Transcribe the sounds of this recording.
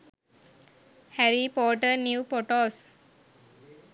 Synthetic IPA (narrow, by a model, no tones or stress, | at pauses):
hæɾipoːʈənuupoʈoːs